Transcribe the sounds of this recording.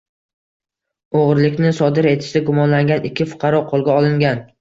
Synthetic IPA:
oʁɾlɪkʲnɪsɒd̪ɪɾe̞t̪ʰɪ̥ʃd̪ɪɡʊmɒnlaŋɡʲanʔɪkʲʰːɪfʊ̥qʰɑɾɒqʰolˠɡʲaɒlˠɪŋɡʲan

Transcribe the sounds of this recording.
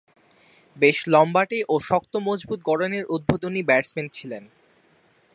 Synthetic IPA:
beʃlɔmbaʈeʔoʃɔk̚t̪omod͡ʑbut̪̚ɡɔɽoneɾʔud̪̚bʱod̪onibɛɾsmenʈ̚t͡ɕʰilen

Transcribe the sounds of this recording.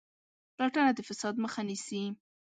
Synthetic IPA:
plɑʈanad̪əfɪsɑd̪məxanisi

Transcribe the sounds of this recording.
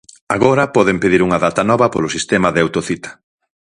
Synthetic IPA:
a̰ɣoɾɐpɔðempeðiɾuŋɐðat̪ɐnɔβɐpo̰lʊsist̪ɛmɐðɪawt̪oθit̪ɐ̥

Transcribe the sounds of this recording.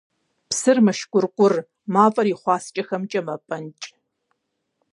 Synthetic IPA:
psɨrmɐʃkʷʊrqʷʼʊr | maːpʼɐriːχʷɑːst͡ʃʼɐxɐmt͡ʃʼɐmɐpʼɐnt͡ʃʼ

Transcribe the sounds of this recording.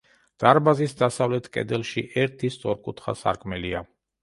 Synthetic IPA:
d̪̥aɾbazisd̪asavlɛt̪ʰkʼɛ̰d̪ɛlˠʃiʔɛɾt̪ʰist̪sʼɔɾkʼut̪ʰχa̰sa̰ɾkʼʰmɛlia

